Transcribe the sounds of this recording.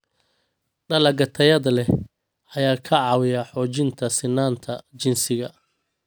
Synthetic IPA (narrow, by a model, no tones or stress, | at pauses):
ɖɐlɐɡɐt̪ʰɐjɐðɐlɛ | ʔɐjaːkʰɐʕɑːwɪjɐħɔːt͡ʃɪnt̪ʰɐsɪnːaːnt̪ʰɐt͡ʃɪnsɪɣɐ